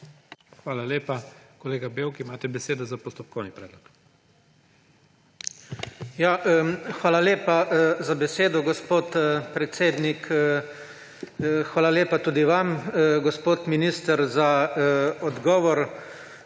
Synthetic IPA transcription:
xʋaːlaleːpakɔleːɡabewkimaːt̪ɛbɛseːd̪ɔzapɔst̪ɔp̚kʰɔwnipɾɛːd̪lɔk | jaxʋaːlaleːpazabɛseːd̪ɔɡɔspoːt̪pɾɛt̪seːd̪nik | xʋaːlaleːpat̪uːd̪iʋamɡɔspoːt̪minist̪əɾza | ɔd̪ɡɔːʋɔɾ

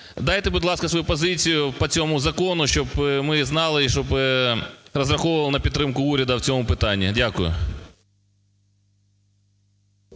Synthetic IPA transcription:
d̪ɑjt̪ɪbʊdʲlˠɑskɐsʋɔjupɔzɪt͡sʲijʊpɐt͡sʲɔmʊzɐkɔnʊʃt͡ʃɔbmɪznɑlˠɪʃt͡ʃɔbɪ | rɐzrɐxɔʋʊɐlˠɪnɐpʲid̪t̪ːɾɪmkʊuɾʲɐd̪ɐwt͡sʲɔmʊpɪt̪ɑnʲːidʲakʊjʊ̰

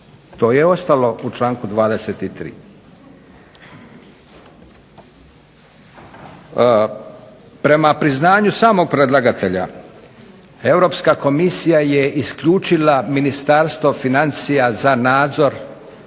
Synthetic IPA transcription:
t̪o̞ːjeo̞st̪alo̞ut͡ʃlaːŋkud̪ʋaːd̪e̞set̪it̪ɾḭː | pɾe̞mapɾiznaːɲusaːmo̞ɡ̚pɾed̪laɡat̪e̞ʎa̰ | e̞wɾo̞pskako̞misijajeʔiskʎuːt͡ʃilaminist̪aɾst̪ʋo̞finant̪sijazanaːd̪zo̞ɾ

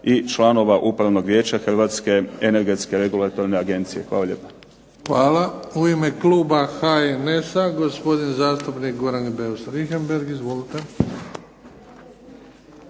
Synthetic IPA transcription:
it͡ʃlˠano̞ʋaʔupɾaʋno̞ɡʋʲjeːt͡ɕaxrʋaːt̪ske̞ene̞ɾɡe̞t̪ske̞ɾe̞ɡulˠat̪o̞ɾneaɡe̞nt̪sije̞xʋaːlaʎʲeːpḁ | xʋaːlauimekluːbaxaenesaɡo̞spo̞d̪inzaːst̪upnikɡoɾaŋɡbeusɾixembeɾɡizʋo̞lit̪e

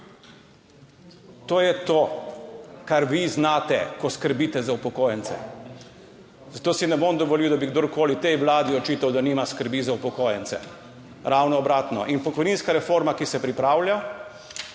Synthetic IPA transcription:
t̪oːjɛt̪oː | kaɾʋiznaːt̪ɛ̰kɔskəɾbiːt̪ɛzaupɔkoːjɛnt̪sɛ̰ | zat̪oːsinɛboːmd̪ɔʋɔliwd̪abiɡd̪oɾkoːlit̪ɛjʋlaːd̪iɔt͡ʃiːt̪awd̪aniːmaskəɾbiːzaupɔkoːjɛnt̪sɛ̰ | ɾaːwnɔːbɾaːt̪nɔ̰ʔinpɔkɔjniːnskaɾɛfoɾmakisɛpɾipɾaːwlja

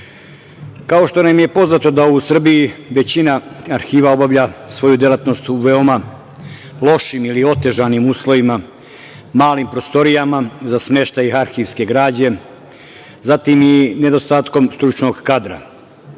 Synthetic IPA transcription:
kao̞ʃt̪o̞namije̞po̞znaːt̪o̞d̪ausr̩biiʋe̞t͡ɕinaaɾxiːʋao̞baʋʎaːsʋo̞jud̪e̞lat̪no̞st̪uʋeo̞ma | lˠo̞ʃimilio̞t̪e̞ʒaːnimuːslˠo̞ʋima | maːlimpɾo̞st̪o̞ɾijamazasme̞ʃt̪ajixaɾxiːʋske̞ɡɾaːd͡ʑe̞ | zat̪imine̞d̪o̞st̪aːt̪ko̞mst̪ɾut͡ʃno̞ɡkad̪ɾa̰

